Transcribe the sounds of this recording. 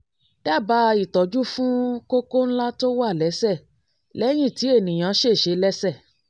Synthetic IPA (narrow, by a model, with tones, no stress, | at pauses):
d̥a˦˨ba˨˦˧i˨tɔ˨d͡ʒu˦fũ˦ko˦ko˦ñ̩˦la˦to˦wa˦˨lɛ˨˦sɛ˦˨ | lɛ˨˦j̃ĩ˦˨ti˨˦e˦˨nĩ˨j̃ã˨˦ʃe˦˨ʃe˨˧lɛ˦sɛ˦˨